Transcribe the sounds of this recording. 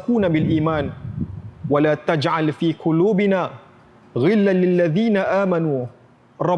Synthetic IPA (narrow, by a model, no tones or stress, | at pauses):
kuːnabɪlʔiːmaːn | walaːt̪ad͡ʒʕalfiːqʊluːbɪnaː | ɣɪlːalɪlːaðiːnaʔaːmanuː | ɾˤɑ